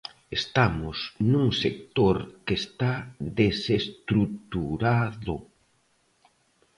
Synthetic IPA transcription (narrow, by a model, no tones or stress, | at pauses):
est̪amʊsnuŋsek̚t̪oɾkest̪aðesest̪ɾut̪uɾaðo